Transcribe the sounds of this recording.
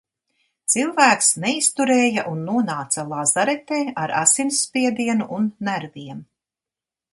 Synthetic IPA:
t̪silˠvæːksnɛist̪uɾeːjaʔunːuɔnaːt̪salˠazaɾɛt̪eːaɾa̰sinsːpʲiɛd̪iɛnuʔunːæɾviɛm

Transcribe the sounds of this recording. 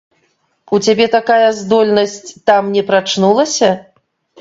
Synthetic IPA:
ut͡sʲabʲɛt̪akajɐzd̪ɔlʲnɐsʲt͡sʲt̪amnʲɛpɾat͡ʂnulˠɐsʲɐ

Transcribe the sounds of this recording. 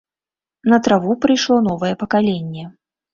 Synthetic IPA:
nɐt̪ɾavupɾɨjʂlˠɔn̪ɔvɐjɛpɐkalʲenʲːɛ

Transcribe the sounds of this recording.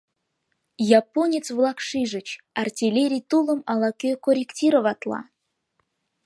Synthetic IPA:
jɑponʲet̪t͡svlˠɑkʂɨʒə̆t͡ɕ | ɑrtʲilʲeɾʲijt̪ulˠə̆mɑlˠɑkʲøkoɾʲektʲiɾəvɑt̪lˠɑ̰

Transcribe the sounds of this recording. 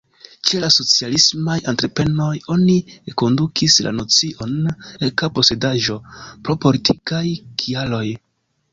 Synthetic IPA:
t͡ʃe̞laso̞t͡sialismajantɾe̞pɾe̞no̞jo̞nieko̞ndukʰisla̰no̞t͡siʔo̞nekapo̞se̞daʒo̞pɾo̞po̞litʰikajkʰialo̞j

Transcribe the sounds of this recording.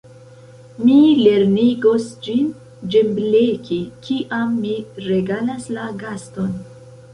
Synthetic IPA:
mile̞ɾniɡo̞sd͡ʒin | d͡ʒe̞mblekʰikiʔamːiɾe̞ɡalaslaɡasto̞n

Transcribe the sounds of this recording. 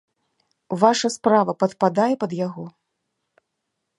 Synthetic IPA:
vaʂɐspɾavɐpɐt̪pad̪ajɛpɐd̪jaɣɔ

